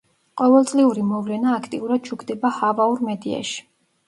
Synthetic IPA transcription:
qʼɔvɛlˠt̪sʼliuɾimɔvlɛnaːkʰt̪ʼiuɾad̪̥̚t͡ʃʰukʰd̪ɛbahavauɾmɛd̪ia̰ʃi̥

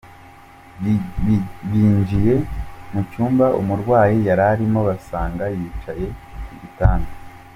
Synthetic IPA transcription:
βiːɲd͡ʒije̞mucuːmbaʔumuɾɡwaːjijaɾaɾimo̞βasaːŋɡajiːt͡ʃaje̞βitaːnda

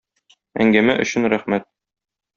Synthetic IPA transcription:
æ̰ŋɡæmæʔɵ̆ɕɘnɾæχmæt̪̚

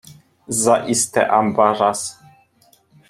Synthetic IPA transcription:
zaʔist̪ɛ̰ʔambaɾas

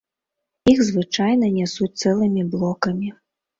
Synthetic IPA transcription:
ixzvɨt͡ʂajnɐnʲɛsut͡s̚ʲt̪sɛlˠɨmʲiblˠɔkɐmʲi

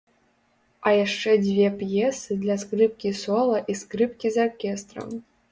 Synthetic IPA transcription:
ajaʂːɛdʲvʲepjesɨd̪lʲaskrɨp̚kʲisolˠɐʔiskrɨpkʲizorkʲest̪rə̰m

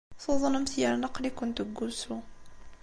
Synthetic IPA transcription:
θoðˤnəmθjəɾnəqːlikʊnt̪uɡusu

